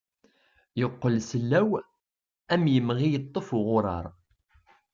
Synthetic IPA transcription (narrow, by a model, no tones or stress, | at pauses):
joqːəlsəlːæw | æmjəmʁijət̪ˤːəfʁʊɾˤɑ̰ɾˤ